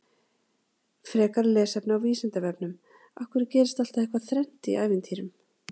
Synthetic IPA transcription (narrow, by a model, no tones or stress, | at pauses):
fɾɛːkaɾlɛːsɛpnʏawviːsɪnt̪avɛpnʏm | ahkvʏɾɪcɛːɾɪst̪al̥t̪aðehkvaθɾɛn̥t̪iaːjvɪnt̪ʰiːɾʏm